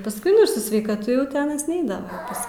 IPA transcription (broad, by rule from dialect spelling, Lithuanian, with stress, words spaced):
pɐsˈkʊɪ nʊ ɪr sʊ sʲʋʲɛɪkɐˈtʊ jɛʊ tʲɪ ˈɑːnɐs ˈnʲɛɪdɐʋɐ pɐs